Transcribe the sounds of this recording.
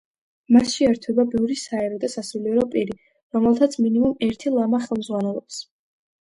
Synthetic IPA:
masʃɛɛɾt̪ʰwɛbabiuɾisaɛɾɔd̪asasuliɛɾɔpʼiɾi | ɾɔmɛlˠt̪ʰat̪sʰminimumɛɾt̪ʰilˠamaχɛlˠmzʁwanɛlˠɔps

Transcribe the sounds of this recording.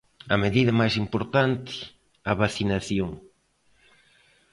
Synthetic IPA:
ɐmeðiðɐmajsimpoɾt̪ant̪ɪ̥ | ɐβaθinaθjoŋ

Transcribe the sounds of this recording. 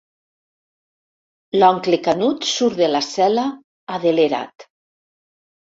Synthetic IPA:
lɔŋklekanut̪suɾðelasɛla | aðeleɾa̰t̪

